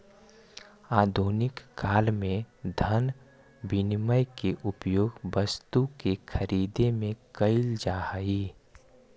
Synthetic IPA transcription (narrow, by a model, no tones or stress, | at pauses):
aːd̪ʱuːnɪkːaːlmẽd̪ʱən | bɪnməjkeʔʊpjoːɡʋəst̪ukekʰəɾiːd̪emẽkəɪld͡ʒaːhəiː